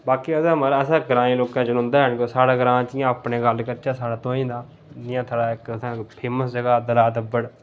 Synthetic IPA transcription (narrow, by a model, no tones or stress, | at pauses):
baːkiːəsãːməɾəsãːɡəɾãːĩːloːkãːd͡ʒʊnʊ̃nd̪aːɦɛnɡosaːɽaːɡɾãːt͡ʃɪjãːəpɳeːɡəlkəɾt͡ʃaːsaːɽãːt̪õːĩːd̪aː | nɪjãːt̪ʰaːɽaːɪkəsãːpʰeːməsd͡ʒəɡaːd̪əlaːd̪əbːəɽ